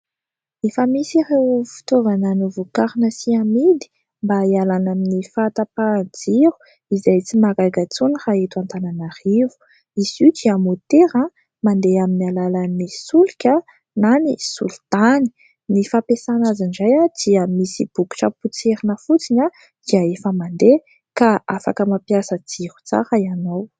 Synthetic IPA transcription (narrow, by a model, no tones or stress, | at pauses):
efəmisirewfi̥t̪ovananivukaɾinəsiamid̪i̥ | mbaialanaminifat̪apand͡ziɾu̥ | izajt͡simaɡaɡat͡suniraet̪uant̪ananaɾivu̥ | izid̪iamot̪eɾã | mand̪eaminalalanisulikʲə | nanisṵlt̪ani̥ | nifapesanazind͡ʒajad̪̥iəmisib̥uku̥ʈ͡ʂəput͡seɾinəfut͡siɲa | d̪̥iaefəmand̪e | kaafa̰kəmapijasəd͡z̥iɾu̥t͡sa̰ɾəianaw